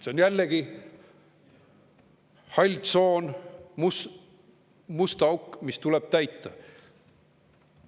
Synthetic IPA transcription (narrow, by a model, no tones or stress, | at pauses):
se̞onjælːeɡ̥i | hɑlʲd̪so̞ːnmus | must̪ɑukːmist̪uleb̥̚t̪æjt̪ːˑɑ